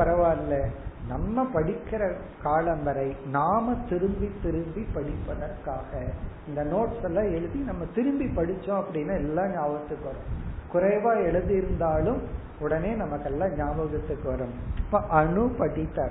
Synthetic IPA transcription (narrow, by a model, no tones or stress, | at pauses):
ɐɾɐʋaːɾlɐnɐmːɐpɐɽɪkːɪɾɐ | kaːlɐmbɐɾɐɪnaːmɐt̪ɪɾɯmbit̪ːɪɾɯmbipɐɽɪpːɐðɐɾkaːɣɐɪnd̪ɐnoːʈsɛlːãːɛɻɯðinɐmːɐt̪ɪɾɯmbipɐɽɪt͡ʃːõɐpːɐɽɪnːaːɛlːãːɲaːʋɐt̪ːɯkːɯʋɐɾʊ̃kʊɾɐɪʋaːɛɭɯðɪɪɾɯnd̪aːlɯm | ʊɽɐneːnɐmɐkːɛlːãːɲaːbɐɣɐt̪ːɯkːɯʋɐɾɯmpːɐʔɐɳɯpɐɽɪt̪ːaːɾ